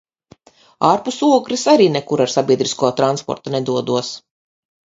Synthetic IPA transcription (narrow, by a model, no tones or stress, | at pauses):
aːɾpusuɔkɾisaɾiːnɛkuɾaɾsabʲiɛd̪ɾiskuɔt̪ɾanspɔ̰ɾt̪anɛd̪uɔd̪uɔs